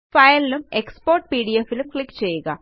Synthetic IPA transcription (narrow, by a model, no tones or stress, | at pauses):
fɐjɐlilumekspoːrʈpiːɽijefilumkɭikːɨ̥t͡ɕejːuɣɐ̰